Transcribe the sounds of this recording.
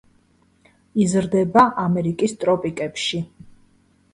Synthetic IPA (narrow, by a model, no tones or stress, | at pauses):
izɾd̪ɛbaʔamɛɾikʼist̪ʼɾɔpʼikʼɛpʃi